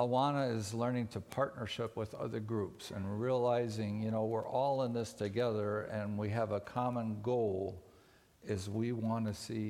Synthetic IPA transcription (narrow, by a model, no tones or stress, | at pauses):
əwɑnəɪzlɜ̃˞nɪ̃ŋtʰɨpʰɑɹtⁿnə˞ʃɪpwɨðʌ̰ðə˞ɡɹupsɨ̰̃nɹiəlaɪzɪ̃ŋjɨnoʊwɪɹʔɔlˠə̃nðɪstʰɨɡɛðə˞ɨ̃nwiɨvəkʰɑmə̃nɡoʊlˠ | ɨzwiwɑ̃nɨsi